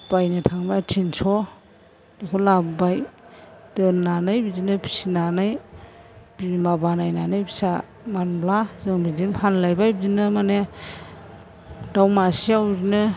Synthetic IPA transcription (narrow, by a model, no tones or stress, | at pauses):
b̥ajnɯtʰaŋmatʰinsɔ | dikʰɔlabbaj | tɯnːanɯjbidinɯpʰi̥sinanɯj | bimabanajnanɯjbi̥sa | manblazɯŋbidinpʰanlajbajbidinɯmane | d̥awmasiawzinɯ